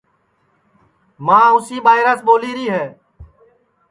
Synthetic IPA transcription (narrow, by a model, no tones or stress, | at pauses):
mãːʊsiːɓaːɪɾaːsɓoːliːɾiːɦɛː